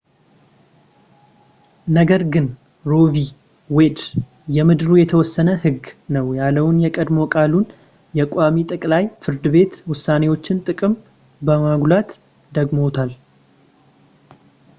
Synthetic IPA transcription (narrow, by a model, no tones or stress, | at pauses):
nəɡəɾɡɨn | ɾo̞vi | wed̪ | jɛmɨd̪ɾujɛt̪ʰəwɔsːənəhɨɡnəwjalːəwʊnjɛkʼəd̪mo̞kʼalun | jɛkʷʼamit̪ʼɨkʼlajfɨɾd̪ɨβe̞t̪wʊsːane̞wo̞t͡ʃːɪnt̪ʼɨkʼɨm | bəmaɡlat̪ | d̪əɡmo̞t̪ʰal